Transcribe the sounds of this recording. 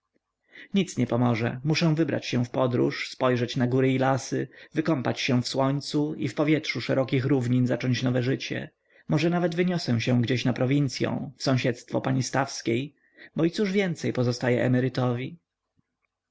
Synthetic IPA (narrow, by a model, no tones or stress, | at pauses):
ɲit̪sɲɛpɔmɔʐɛ̰muʂɛ̃w̃vɘbɾa̰t͡ɕɕɛ̃fpɔd̪ɾṵʂspɔjʐɛt͡ɕnaɡuɾɘilasɘvɘkɔmpat͡ɕɕɛ̃w̃fswɔɲt̪suifpɔvʲjɛtʂuʂɛɾɔkʲixɾuvɲinzat͡ʂɔɲt͡ɕnɔvɛʐɘt͡ɕɛ̰ | mɔʐɛnavɛd̪vɘɲɔsɛ̃w̃ɕɛ̃ɡd͡ʑeɕnapɾɔvʲint̪sʲjɔ̰̃w̃fsɔ̃w̃ɕɛt̪st̪fɔ̰paɲist̪afskʲej | bɔit̪suʐvʲjɛnt̪sɛjpɔzɔst̪ajɛʔɛmɛɾɘt̪ɔvʲi